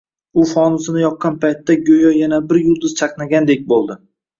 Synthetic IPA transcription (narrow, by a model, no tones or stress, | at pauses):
ʊfɒnʊzɪnɪjɒqːɑnpʰajt̪ːaɡʲojɒjanabɪɾjʊlˠd̪ɪzt͡ʃʰaqnaɡʲand̪e̞k̚ʲbolˠd̪ɪ